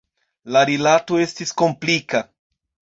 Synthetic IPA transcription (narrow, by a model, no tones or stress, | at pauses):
laɾilato̞e̞stisko̞mplika